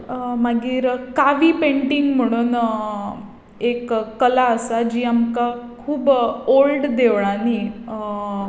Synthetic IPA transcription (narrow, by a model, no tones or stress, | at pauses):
maɡiːɾkaʋiːpeɳʈiŋɡm̤əɽ̃uːn | ekːəlaəsad͡ʑiːamkakʰuːbolɖd̪eʋɭãni